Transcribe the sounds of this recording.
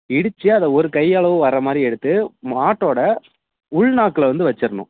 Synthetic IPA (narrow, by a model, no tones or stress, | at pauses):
ɪɽɯt͡ʃːɯɐðɐɔɾɯkɐjːɐɭɐʋɯʋɐrːɐmaːd̪ɾiɛɽɯt̪ːɯmaːʈːoːɽɐ | ʊɭnaːkːɯlɐʋɐnd̪ɯʋɐt͡ʃːɪɾnʊ̰̃